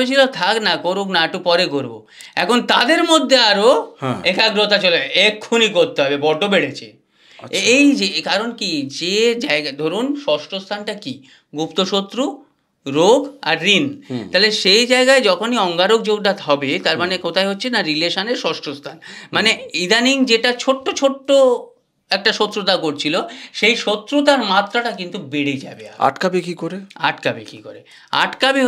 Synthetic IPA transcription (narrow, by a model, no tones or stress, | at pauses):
et͡ɕʰilot̪ʰaknakoɾuknaeʈupɔɾeɡoɾbo̰ | ɛkʰont̪ad̪eɾmod̪ʱːeaɾoekaɡɾot̪at͡ɕoleekʰːunikoɾt̪eɦɔbebɔɖʱːobeɽet͡ɕʰe | ejd͡ʑekaɾonkid͡ʑed͡ʑaeɡad̪ʱoɾunʃɔʃʈost̪ʰanʈaki | ɡupt̪oʃot̪ːɾu | ɾoɡa̰ɾːint̪aleʃejd͡ʑaeɡaed͡ʑɔkʰoniɔŋɡaɾok̚d͡ʑoɡ̚ɖat̪ɦɔbet̪aɾmanekot̪ʰajɦotːɕʰenaɾileʃaneɾʃɔʃʈost̪ʰanmaneid̪ʱaniŋd͡ʑeʈat͡ɕʰoʈːot͡ɕʰoʈːo | ɛk̚ʈaʃot̪ːɾut̪akoɾt͡ɕʰiloʃejʃot̪ːɾut̪aɾmat̪ːɾaʈakint̪ubeɽed͡ʑabea̰a̰ʈkabekikoɾea̰ʈkabḛkikoɾe | a̰ʈkabe